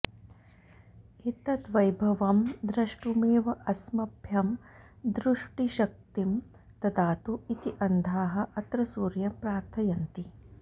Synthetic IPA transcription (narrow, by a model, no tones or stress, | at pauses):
it̪ɐt̪ʋɐjbʱɐʋɐmd̪ɾɐʂʈumeːʋɐʔɐsmɐbʱjɐm | d̪ɾuʂʈiʃɐk̚t̪im | t̪ɐt̪aːt̪uit̪iʔɐnd̪ʱaːɦɐ̆ʔɐt̪ɾɐsuːɾjɐmpɾaːɾt̪ʰɐjɐnt̪i